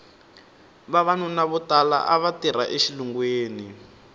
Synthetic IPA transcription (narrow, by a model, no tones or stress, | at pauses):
βaβanunaβutala̰ʔaβatiraʔeʃiluŋɡweːni